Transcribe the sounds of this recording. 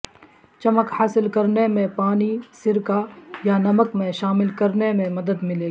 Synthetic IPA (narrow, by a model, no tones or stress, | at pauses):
t͡ʃɐməkhaːsɪlkɐɾnemẽpaːnisɪɾkajanɐməkmẽʃaːmɪlkɐɾnemẽmɐd̪əd̪mɪleːɡ